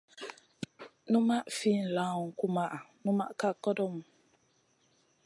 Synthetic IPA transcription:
nũ˦ma˦ʔfi˦˨n̩˨la˨˦˨ŋ̩˨ku˦ma˦ʔa˨nũ˦ma̰˦ʔka˦kɔ˦dɔ˦mu˨

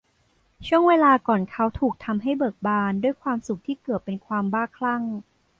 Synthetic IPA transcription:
t͡ɕʰu˥˩əŋweː˧laː˧kɔː˨˩nkʰa˦˥wt̪ʰuː˨˩k̚t̪ʰa˧mɦa˥˩jbɤː˨˩k̚baː˧ndu˥˩əjkʰwaː˧msu˨˩k̚t̪ʰiː˥˩kɯ˨˩ət̪̚pe˧nkʰwaː˧mbaː˥˩kʰla˥˩ŋ

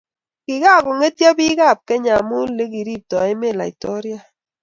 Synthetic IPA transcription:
ki˨ka˦˨kʊ˨ŋe˦tjɔ˦bi˦ka˦˨p̚kɛ˦ɲa˨mu˦le˦k̬i˨ɾi˦˨p̚tɔ˨ɛ˦me˦˨la̰˨ḭ˨tɔ˦ɾja˦

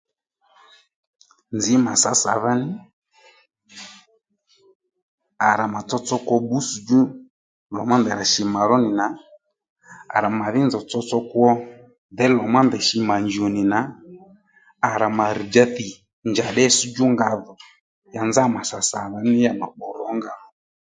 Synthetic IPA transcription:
nd͡zi˨˦ma˨sa˨˦sa̰˨ða˦nɪ˦ | a˨ɾa˨ma˨t͡sɔ˧t͡sɔ˧kwɔ˧bu˦su˧d͡ʒu˦ | lɔ̰˨ma˦ndɛ˨ɾa˨ʃi˨ma˨ɾɔ˦ni˨na˨ | a̰˨ɾa˨ma˨ði˦nzɔ˨t͡sɔ˧t͡sɔ˧kwɔ˦ | ðɛ˦lɔ˨ma˦ndɛ˨ʃi˧ma˨ɲd͡ʒi˨ɔ˨ni˨na˨ | a˨ɾa˨ma˨ɾi˨d͡ʒa˦θi˨ | nd͡ʒa˨ɗɛ˦su˦d͡ʒu˦ŋɡa˧ðɔ˨ | ja˨nza˦ma˨sa˨sa˨ða˦ni˦ja˨na̰˨ɓɔ˨ɾɔ˨˦ŋɡa˨ðɔ˨ɔ˨

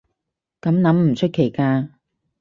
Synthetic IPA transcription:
kɐ˨˥mnɐ˨˥mm̩˨˩t͡ʃʰɵ˥t̚kʰe˨˩jkaː˧

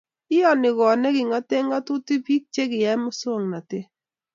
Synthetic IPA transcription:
ɪ˦ɔ˦nɪ˨ɡɔ˨nɛ˦ɡɪ˨ŋa˦te˦ŋa˦tʊ˦ti˦pi˦k̚t͡ʃe˦ɡɪ˨jɛ˦mʊ˦so˦˨ŋna˨tɪ˦

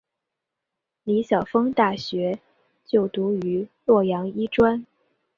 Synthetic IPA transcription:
li˧˥ɕjɑ˨˩ʊfɤ˥ŋt̪a˥˩ɕɥɛ˧˥ | t͡ɕjo˥˩ʊt̪u˧˥y˧˥lwɔ˥˩jɑ˧˥ŋi˥ʈ͡ʂwa˥n

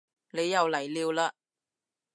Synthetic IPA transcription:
ne˨˧jɐ˨wlɐ˨˩jliː˧wlaː˧

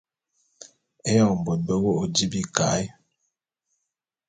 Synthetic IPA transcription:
ɛ˦jɔ˦˨ŋ˨m̩˨bo˨t̚bə˦wo˦o˨di˦bi˦˨ka˨˦j

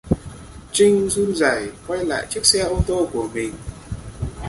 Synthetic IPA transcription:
t͡ɕï˧ŋ̟zu˧nzaː˧˩jkwa˧jla̰ː˧˨jt͡ɕɨ˦˥ək̚sɛ˧ʔo˧t̪o˧ku˧˩əmï˨˩ŋ̟

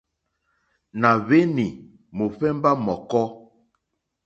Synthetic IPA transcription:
na˨βe˦ni˨ | mo˨ɸɛ˦mba˦mɔ˨kɔ˦

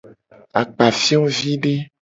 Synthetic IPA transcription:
a˨k͡pa˨fi˦ɔ̃˦vi˦ɖe˦

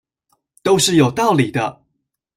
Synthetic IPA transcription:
t̪o˥ʊʂɻ̩˥˩jo˨˩ʊt̪ɑ˥˩ʊli˨˩d̪ə˦

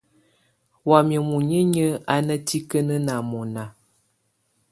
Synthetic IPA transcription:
wa˨mjə˨mu˨ɲə˦ɲə˦a˦nə˦ti˦kə˦nə˦na˨mɔ˨na˨

